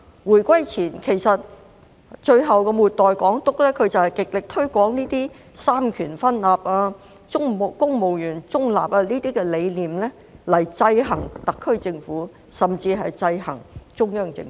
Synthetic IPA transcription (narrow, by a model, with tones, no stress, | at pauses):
wuː˨˩jkʷɐ˥jt͡sʰiː˨˩nkʰe˨˩jsɐ˨t̚ | t͡ʃɵ˧ɥɦɐ˨wkɛ˧muː˨t̚t̪ɔː˨jkɔː˨˥ŋt̪ʊ˥k̚lɛː˥kʰɵ˨˧t͡sɐ˨whɐ˨jkɪ˨k̚lɪ˨k̚t̪ʰɵ˥ɥkʷɔː˨˥ŋniː˥t̪iː˥ | saː˥mkʰyː˨˩nfɐ˥nlaː˨˩p̚aː˧ | ʊ˥ŋm˨kʊ˥ŋmo˨wjyː˨˩nt͡sʊ˥ŋla̰ː˨˩p̚aː˧liː˥t̪iː˥kɛ˧le˨˧jliː˨mlɛː˥ | lɐ˨˩jt͡sɐ˧jɦɐ˨˩ŋt̪ɐ˨kʰːɵ˥ɥt͡sɪ˧ŋfuː˨˥ | sɐ˨mt͡siː˧ɦɐ˨jt͡sɐ˧jhɐ̰˨˩ŋt͡ʃʊ˥ŋjœː˥ŋt͡sɪ̰˧ŋ˦